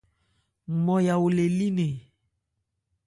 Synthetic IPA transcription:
mɔ˨ja˨wo˨le˨li˦ne˨

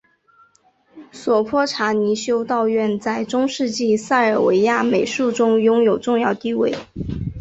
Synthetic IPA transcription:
swɔ˨˩pʰwɔ˥˩ʈ͡ʂʰa˧˥ni˧˥ɕjo˥ʊt̪ɑ˥˧ʊɥɛ˥˧nt͡sa˥˩ɪʈ͡ʂʊ˥ŋʂɻ̩˥˧t͡ɕi˥˧sa˥˩ɪə˞˨˩we˧˥ɪja˥˩me˨˩ɪʂu˥˩ʈ͡ʂʊ˥ŋjʊ˥ŋjo˨˩ʊʈ͡ʂʊ˥˧ŋjɑ˥˧ʊt̪i˥˧we˥˩ɪ

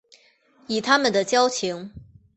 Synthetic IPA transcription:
i˨˩t̪ʰa˥mə˨nd̪ə˨t͡ɕjɑ˥ʊt͡ɕʰi˧˥ŋ

